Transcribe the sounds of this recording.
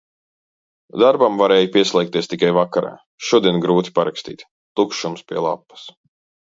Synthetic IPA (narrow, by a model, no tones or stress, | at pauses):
d̪aɾbamvaɾeːjupʲiɛslʲˠɛjkt̪iɛst̪ikajvakaɾa̰ː | ʃuɔd̪iɛnɡɾuːt̪ʲi̥paɾakst̪ḭːt̪ʲ | t̪ukʃumspʲiɛlˠa̰pːɐ̥s